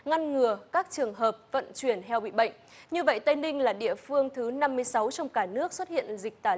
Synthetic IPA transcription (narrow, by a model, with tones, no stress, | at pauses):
ŋa˧nŋɨ˨˩əkaː˦˥k̚t͡ɕɨ˨˩əŋɦəː˨˩p̚və̰˧˨nt͡ɕwi˧˩ənt̪ʰɛ˧wɓḭ˧˨ɓə̰˧˨jŋ̟ | ɲɨ˧və̰˧˨jt̪ə˧jnï˧ŋ̟laː˨˩ɗḭ˧˨əfɨ˧əŋt̪ʰɨ˨˦na˧mːɨ˧əjsa˨˦wt͡ɕɔ˧wŋ͡mkaː˧˩nɨ˦˥ək̚swt̚hḭ˧˨ənzï˨˩k̚t̪aː˧˩